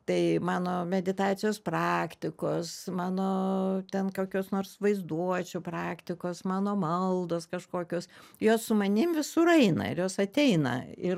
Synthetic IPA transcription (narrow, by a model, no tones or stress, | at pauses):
t̪ɐɪmɑːnoːmʲɛd̪ʲɪt̪ɑːt̪sʲɪjoːsprɑːkt̪ʲɪkoːsmɑːnoːt̪ʲɛnkoːkʲoːsnoːrsʋɐɪzd̪uɔt͡ʃʲʊprɑːkt̪ʲɪkoːsmɑːnoːmɐlˠd̪oːskɐʃkoːkʲoːsjoːssʊmɐnʲɪmʋʲɪsʊɾɐɪnɐ̰ɪ̰ɾjoːsɐt̪ʲɛɪnɐ̰ɪɾ